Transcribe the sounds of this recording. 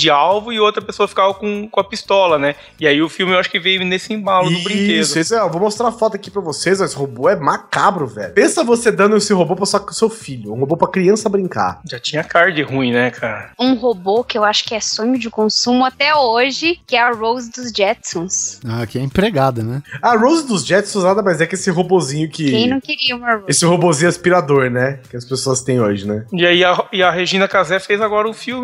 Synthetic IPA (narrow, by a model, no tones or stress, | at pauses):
d͡ʒɪawvʊɪowt̪ɾɐpesoɐfi̥kavɐkõkõɐpist̪ɔlɐnɛ | ɪaiʊfiwmɪewaʃʊ̥kɪvejnesɪĩbalʊʊbɾĩkezsʊʊisʊɛewvomost̪ɾaɾfɔt̪ʊakipɾɐvosezmɐshoboɛmakabɾʊvɛ̰ʎʊpẽsɐvosed̪ɐ̃nd̪ʊesɪɦobopɾɐsɐsewfiʎʊũhobopɾɐkɾiɐ̃sɐːbɾĩŋka̰ɾʒat͡ʃĩɲɐkaɾd͡ʒɪhũĩnɛkʰaɾɐũɦobokɪewaʃʊ̥kɪɛsõɲʊd͡ʒɪkõsũmʊat̪ɛoʒɪkɪɛɐɾowzd̪ʊzd͡ʒɛt̪sõsakɪɛẽpɾeɡad̪ɐnɛaɾowzɪd̪ʊzd͡ʒɛt̪sõznad̪ɐmajzɛkɪesɪɦobozĩɲʊkɪ̃ẽj̃nɐ̃w̃kɪɾiɐũmɐɾoesɪɦobozĩɲʊaspiɾad̪oɾnɛkɪɐspesoɐst̪ẽj̃oʒɪnɛiaiɐɪɐɦeʒĩnɐkazɛfezaɡɔɾɐʊ̃fiwmɪ